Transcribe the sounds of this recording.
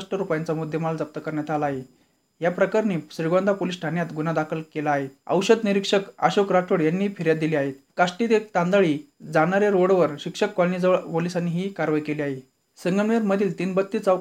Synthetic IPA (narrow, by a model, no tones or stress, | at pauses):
ʂʈəɾupjant͡samud̪ʱːjəmald͡zəp̚t̪əkəɾɳjat̪ʰalaɦe | japɾəkaɾniːɕɾiɡand̪ʱapolisʈʰanjat̪ɡunad̪akʰəlkelaːɦet̪ə̰wɕəd̪niɾikʂəka̰ɕokɾaʈʰoɽjanːiːfiɾjat̪̚d̪iliːaɦet̪̚kaʂʈid̪et̪and̪əɭiː | d͡zaɽ̃aɾjaɾoɽʋəɾɕikʂəkːɔlnid͡zɭpolisanːiːɦiːkaɾʋajkeliːaɦe | səŋɡəɳʋiɾməd̪ʱiːlt̪iːnbət̪ːiːt͡sa